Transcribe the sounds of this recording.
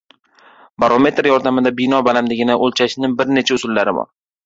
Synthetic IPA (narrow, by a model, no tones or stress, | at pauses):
baɾome̞t̪ɾjɒɾd̪amɪd̪abɪnɒbalamd̪ɪɡʲɪnaʔolˠt͡ʃʰaʃɪnɪŋbɪɾne̞t͡ʃʰaʊsʊlːaɾɪ̰bɒ̰ɾ